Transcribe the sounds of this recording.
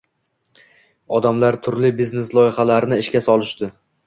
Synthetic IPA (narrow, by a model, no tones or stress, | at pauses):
ɒd̪amlaɾt̪ʰʊɾlɪbizneslˠɒjɪχalaɾɪnɪɪʃkʲasɒlˠɪʃd̪ɪ